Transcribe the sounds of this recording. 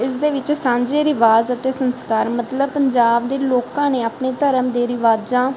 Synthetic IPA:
ɪsd̪eːʋɪt͡ʃsãːɲd͡ʒeːɾɪʋaːzət̪eːsənskaːɾmət̪ləb̚pəɲd͡ʒaːb̚d̪eːloːkãːneːapneːt̪əɾəmd̪eːɾɪʋaːd͡ʒãː

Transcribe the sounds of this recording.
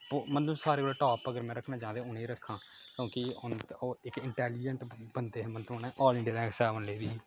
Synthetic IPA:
omənt̪ũːsaːɾeːkoːloːʈɔːpəɡəɾmɛ̃ːɾəkʰnãːd͡ʒãːd̪eːʊneːɾəkʰːãː | kjõːkɪʊnoːɪkɪɳʈɛːliːd͡ʒə̃ɳʈbənd̪eːɦːmənt̪ũːnɛ̃ːʔɔːlɪ̃ɖɪːɾɛ̃ːksɛːʋənleːʋiː

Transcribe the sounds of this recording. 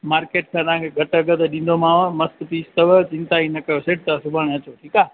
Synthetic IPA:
maːɾkeːʈ̚kʰãːt̪ɐɦãŋkʰeɡʱɐʈɐɡət̪eɗĩːnd̪omãːʋmɐst̪piːst̪ɐʋət͡ɕɪ̃nt̪aːinɐkɐjoseːʈ̚t̪ɐsʊbʱəɽ̃ɐt͡ɕoʈʰiːkaː

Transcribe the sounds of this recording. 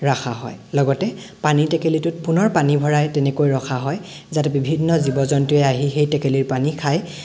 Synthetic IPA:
ɹaxaɦɔ̰jlɔɡɔtɛ | panitɛkelitʊt̚punɔɹpanibʱɔɹajtɛnekojɹɔxʰaɦɔj | zatɛbibʱinːɔzibɔzɔntiɛaɦixejtɛkeliɹpanikʰaj

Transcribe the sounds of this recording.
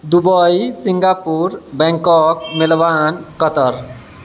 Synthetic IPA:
d̪ubɔjsiŋɡapuɾbɛ̃ŋkɔkmɪlbankət̪əɾ

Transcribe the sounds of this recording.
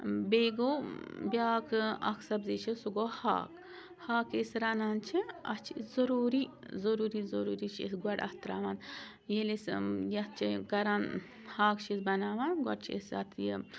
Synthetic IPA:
beːɡoːbʲjaːkʰɐ̰kʰsɐbzit͡ʃʰisuɡoːha̰ːk | haːkesɾanant͡ʃʰiɐ̰t͡ʃʰizɐɾuːɾi | zɐɾuːɾizoɾuːɾit͡ʃʰḭsɡɐɽʔɐ̰ht̪ɾa̰ːʋaːn | jelisjɐt͡ʃʰikɐɾaːn | haːkt͡ʃʰisbɐnaːʋanɡɐ̰ʈt͡ʃʰiḛsɐ̰t̪ʰji

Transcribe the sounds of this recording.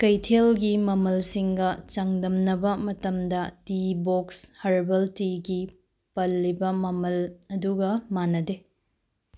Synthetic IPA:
kɐjtʰelɡimɐmɐlsiŋɡɐt͡ʃɐŋdɐmnɐbɐmɐtɐmdɐtibokshɐɾbɐltiɡi | pɐlːibɐmɐmɐlɐduɡɐmanɐde

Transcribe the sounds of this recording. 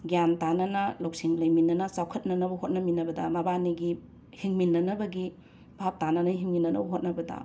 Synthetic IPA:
ɡjamtanɐnɐlɐwsiŋlɐjminːɐnɐsawkʰɐt̚nɐnɐbɐhot̚nɐminɐbɐdɐmɐbaniɡi | hiŋminːɐnɐbɐɡi | b̥ʱap̚tanɐnɐɦiŋminːɐnɐ̰bɐɦot̚nɐbɐdɐ̰

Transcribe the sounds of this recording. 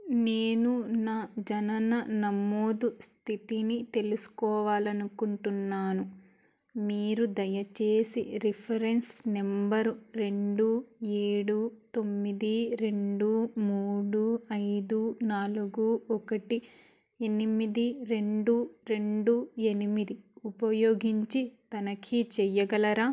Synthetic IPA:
neːnunaːd͡ʒɐnɐnɐnɐmːoːd̪ust̪ʰit̪init̪e̞lusu̥kɔːʋaːlɐnukuɳʈunːaːnu | miːɾud̪ɐjɐt͡ʃe̞ːsḭɾipʰɐɾe̞nsnembɐɾuɾe̞ɳɖueːɽuːt̪o̞mːid̪iɾe̞ɳɖuːmuːɽuːɐjd̪uːnaːluɡuɔkɐʈi | enimid̪iɾe̞ɳɖuːɾe̞ɳɖue̞nimid̪iupɐjoːɡiɲt͡ʃit̪ɐnɐkʰit͡ʃɛjɐɡɐlɐɾaː

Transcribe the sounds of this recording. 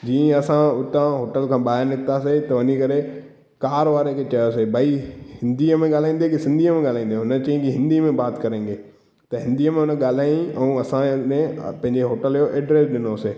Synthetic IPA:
d͡ʑiːẽɐsãʊʈ̪ãɦoːʈəlkʰãːɓaːɦɪɾnɪkt̪aːset̪ɐʋɐnikɐɾe | kaːɾʋaːɾekʰet͡ɕɐjosebʱaihɪ̃nd̪iəmẽɠaːl̤aːĩːn̆d̪ekisɪ̃nd̪ʱiəmẽɡaːl̤ãːĩːn̆d̪ẽɦʊnət͡ɕɐ̃ĩkiɦɪ̃nd̪imẽbaːt̪kɐɾẽːŋɡeː | t̪ɐɦɪ̃nd̪iəmẽɦʊnəɠaːl̤aːjĩɛ̃ũːɐsãmẽpɐ̃ɦɪ̃ɲd͡ʑeɦoːʈəljoʔɛːɖɾeːsɗɪnoseː

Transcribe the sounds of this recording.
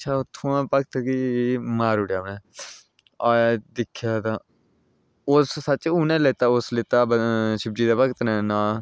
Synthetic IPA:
əʃʰaːʊt̪ʰːõːãːpəkt̪kimaːɾʊɽjaːmɛ̃ː | aːjaːd̪ɪkʰːjaːd̪ãː | ʊsːəːt͡ʃuːnẽːleːt̪aːʊslɪːt̪aːbʃɪb̚d͡ʒiːd̪aːpəkt̪nɛːnãː

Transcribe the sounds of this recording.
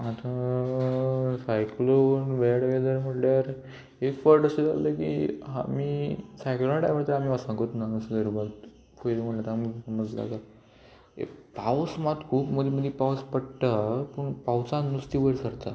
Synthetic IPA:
at̪ã | sajklonʋeɽɡed̪əɾm̤əʈljaɾ | efəɾʈəsed͡za̰ləkḭa̰miːsajklonaʈajməɽt̪əɾamiʋasãŋkot̪naŋəsɡəɾibat̪ | foɾem̤əɽlat̪amisəməd͡zla̰ɡa | ḛpawsmat̪kʰuːpməd̪ʱeməd̪ʱipawspəʈʈapəɳpawt͡sãnust̪iʋəɾsəɾt̪a

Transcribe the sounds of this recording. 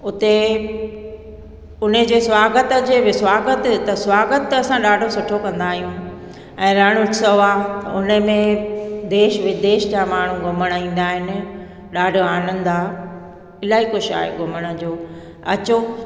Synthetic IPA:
ʊt̪e | ʊn̤əd͡ʑeːswaːɡət̪əd͡ʑeːʋɪswaːɡət̪t̪ɐswaːɡət̪ɐsãɗaːɖʱosʊʈʰokɐ̃nd̪aːɦijũ | ɛ̃ːɾəɽ̃ʊʈʰɪsəaʊnə̆mẽd̪eːʃʋɪd̪eːʃd͡ʑaːmaːɳ̤ũɡʊməɽ̃əĩːn̆d̪aːɦɪnɪ̆ | ɗaːɖʱoaːnə̃nd̪aː | ɪlaːikʊʃa̰ːɦḛɡʊməɽ̃ə̆d͡ʑoː | ɐ̰t͡ɕo

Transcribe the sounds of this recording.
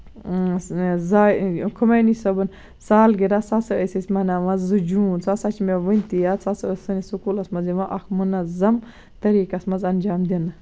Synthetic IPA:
zaːkʰumenisɐbɐn | saːlɡiɾasasɨəsisʲmɐnaːmɐzːud͡ʒuːnt͡sʰasat͡ʃʰimeʋɐnʲt̪ijat͡sʰasɨəsɐnisukulɐsmɐziʋaʔɐkmunɐzɐm | t̪ɐɾiːkɐsmɐzɐnd͡ʒaːmd̪end̪ɐ

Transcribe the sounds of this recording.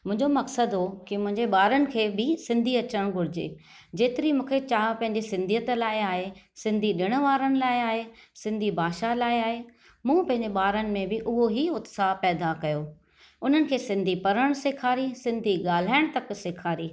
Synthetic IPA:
mʊ̃ɦɪ̃ɲd͡ʑomɐksəd̪ɦokimʊ̃ɦɪ̃ɲd͡ʑeɓaːɾənɪ̆kʰeːbɪsɪ̃nd̪ʱiɐt͡ɕəɽ̃ɡʱʊɾɪd͡ʑḛː | d͡ʑeːt̪ɪɾimũːkʰet͡ɕaːɦpɐ̃ɦɪ̃ɲd͡ʑesɪ̃nd̪ʱijət̪laːɪaːɦesɪ̃nd̪ʱiɗɪɽ̃ʊ̆ʋaːɾəɽ̃ɪ̆laːɪaːɦesɪ̃nd̪ʱibʱaːʃalaːɪaːɦe | mũːpɐ̃ɦɪ̃ɲ̆d͡ʑeɓaːɾənɪ̆mẽbɪʔʊɦoɦiʊt̪sapɛːd̪akɐjoː | ʊn̤ənɪ̆kʰeːsɪ̃nd̪ʱipɐɾəɽ̃seːkʰaːɾisɪ̃nd̪ʱiɠaːl̤aːɪɽ̃t̪ɐksɪkʰaːɾiː

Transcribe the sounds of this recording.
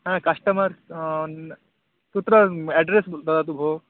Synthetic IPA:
ɦãkɐʂʈɐmɐɾ | t̪ut̪ɾɐɛɖɾesd̪ɐd̪at̪̬ubʱo

